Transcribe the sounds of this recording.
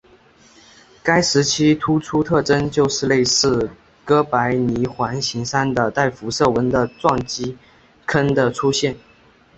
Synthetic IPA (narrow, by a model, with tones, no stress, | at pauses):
ka˥ɪʂɻ̩˧˥t͡ɕʰi˥t̪ʰu˥ʈ͡ʂʰu˥t̪ʰɤ˥˩ʈ͡ʂə˥nt͡ɕjo˥˧ʊʂɻ̩˥˧le˥˧ɪsɻ̩˥˩ | kɤ˥pa˧˥ɪni˧˥xwa˧˥nɕi˧˥ŋʂa˥nd̪ə˨t̪a˥˩ɪfu˧˥ʂɤ˥˩wə˧˥nd̪ə˨ʈ͡ʂwɑ˥˩ŋt͡ɕi˥ | kʰə˥nd̪ə˨ʈ͡ʂʰu˥ɕjɛ˥˩n